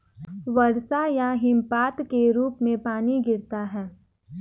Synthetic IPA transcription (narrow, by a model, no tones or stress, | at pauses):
ʋɐɾsajaɦɪmpaːt̪keɾuːpmẽpaːniɡɪɾt̪aɦɛː